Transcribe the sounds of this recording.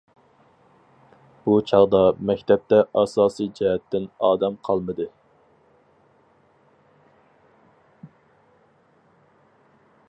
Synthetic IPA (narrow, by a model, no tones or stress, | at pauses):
b̥ut͡ʃʰɑʁd̪ɑmɛkʲt̪ʰɛp̚t̪ɛʔɑsɑːsijd͡ʒɛɦɛt̪ːɪnɑːd̪ɛmqʰɑlˠmɨd̪ɨ